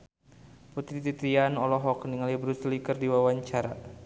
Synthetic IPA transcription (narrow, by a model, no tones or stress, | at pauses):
put̪ɾit̪it̪ɾianɔlɔɦɔkniŋalibɾuslikərdiwawaɲt͡ʃaɾa̰